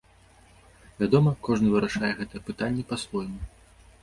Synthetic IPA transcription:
vʲad̪ɔmɐkɔʐnɨvɨɾaʂajɛɣɛt̪ɐjɛpɨt̪anʲːɛpasvɔjmɐ

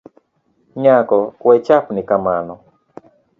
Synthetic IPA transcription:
ɲakɔkwɛt͡ʃapnɪkamanɔ

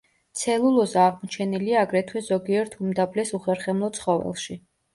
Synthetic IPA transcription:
t̪sʰɛlˠulˠɔzaʁmɔt͡ʃʰɛniliaːɡɾɛt̪ʰwɛzɔɡiɛɾt̪ʰumd̪ablɛsuχɛɾχɛmlˠɔt̪sʰχɔvɛ̰lˠʃi

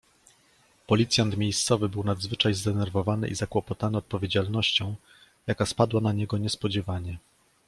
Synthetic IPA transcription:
pɔlʲit̪sʲjant̪mʲjejst̪sɔvɘbɘwnad̪zvɘt͡ʂajzd̪ɛnɛɾvɔvanɘ̰ʔizakwɔpɔt̪anɘɔt̪̚pɔvʲjed͡ʑalnɔɕt͡ɕɔ̃w̃ | jakaspad̪wanaɲɛɡɔɲɛspɔd͡ʑɛvaɲɛ

